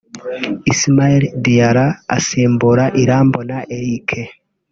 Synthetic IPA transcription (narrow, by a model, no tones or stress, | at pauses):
ismaeldijaɾa̰ːsiːmbuɾaʔiɾaːmbonaʔeɾikʰe